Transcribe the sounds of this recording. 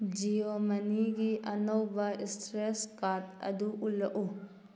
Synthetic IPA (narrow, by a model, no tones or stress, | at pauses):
d͡ʒiomɐniɡiʔɐnɔwbɐistɾeskat̚ɐ̰duʔulːɐʔu